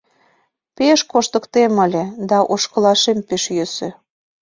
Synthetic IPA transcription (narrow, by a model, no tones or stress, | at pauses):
peʃkoʃt̪ə̆kt̪emə̆lʲĕd̪ɑʔoʃkə̆lɑʃempeʃjøsø